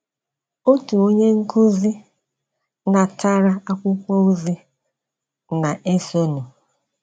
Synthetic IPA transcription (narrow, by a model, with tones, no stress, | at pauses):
o˦tu˨o˦ɲe˦ŋ̩˦kʊ˦zi˦ | na˨ta˦ɾa˦a˦kʷʊ˦kʷo˦u˦zi˦ | na˨ʔe˦so˦nu˨